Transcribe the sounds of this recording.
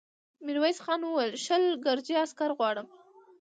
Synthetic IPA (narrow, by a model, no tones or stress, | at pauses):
miɾwajsxɑnwəwajəlʃəlɡaɾd͡ʒiaskaɾɣwɑɽəm